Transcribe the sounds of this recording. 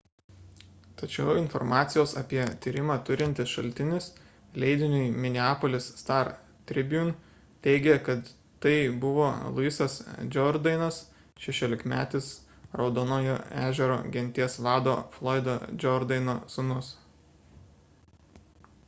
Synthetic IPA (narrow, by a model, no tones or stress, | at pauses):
t̪ɐt͡ʃʲɛʊɪnfɔ̰ɾmɑːt̪sʲɪjoːsɐ̰pʲiɛt̪ʲiːɾʲɪmɑːt̪ʊɾʲɪnʲt̪ʲɪsʃɐ̰lʲt̪ʲɪnʲɪs | lʲɛɪd̪ʲɪnʲʊɪmʲɪnʲɪɑːpolʲɪsst̪ɑɾ | t̪ʲɾʲɪbʲjun | t̪ʲɛɪɡʲɛkɐt̪ | t̪ɐɪbʊʋoːlˠʊɪsɐsd͡ʒʲɔɾd̪ɐɪnɐs | ʃʲɛʃʲoːlʲɪkmʲæ̰ːt̪ʲɪs | ɾɒʊd̪oːnoːjo̰ːæːʒʲɛɾo̰ːɡʲɛnʲt̪ʲiɛsʋɑːd̪oːflˠɔːɪd̪od͡ʒʲɔɾd̪ɐɪnoːsʊnʊs